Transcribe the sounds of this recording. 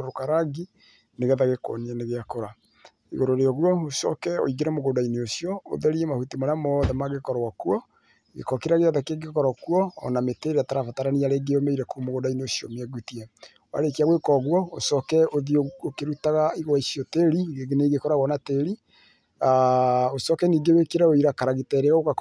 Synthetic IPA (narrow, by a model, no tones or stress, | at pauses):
oɾokaɾaɡi | neɣɛðaɣeko̰niɛneɣeakoɾa | iɣoɾoɾeɔɣuɔosɔ̰kɛo̰iɣeɾɛmoɣoːdaineosiɔo̰ðɛɾiɛmahutimaɾamɔðɛmaɣekɔɾɔkuɔ | ɣḛkɔkeɾaɣeaðɛkeɡekɔɾɔkuɔ̰ːnameteɾeataɾafataɾaniaɾeːɡeomeiɾɛkumoɣoːdaineosiɔ̰meɛɡutiɛ | wa̰ɾekiaɣwekɔɣwɔosɔkɛoðiookeɾutaɣaiɣoaisiɔteɾiɣeɡeneiɣekɔɾaɣwɔnateɾi | aosɔkɛniːɡewekeɾaoiɾakaɾaɣetɛɾeɣaoka